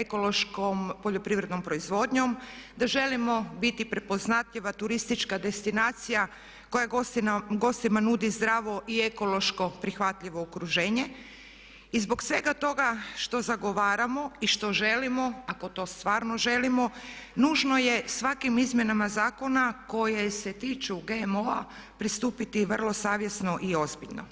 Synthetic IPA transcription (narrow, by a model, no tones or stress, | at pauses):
eko̞loʃkompo̞ʎo̞pɾiʋɾed̪no̞mpɾo̞izʋo̞ːd̪ɲo̞md̪aʒe̞limo̞bit̪ipɾe̞po̞znat̪ʎiʋat̪uɾist̪it͡ʃkad̪e̞st̪inaːt̪sija | ko̞jaɡo̞st̪imanuːd̪izd̪ɾaːʋo̞ʔie̞ko̞lo̞ʃko̞pɾixʋat̪ʎiʋo̞okɾuʒe̞ːɲe̞ | izbo̞ksʋe̞ɡat̪o̞ɡaʃt̪o̞zaɡo̞ʋaːɾamo̞iʃt̪o̞ʒe̞limo̞ako̞t̪o̞ːst̪ʋaːɾno̞ʒe̞limo̞nuːʒno̞je̞sʋakimizmʲje̞namazaːko̞nako̞jese̞t̪iːt͡ʃuɡemo̞a | pɾist̪uːpit̪iʋrlˠo̞saːʋje̞sno̞ʔio̞zbiʎno̰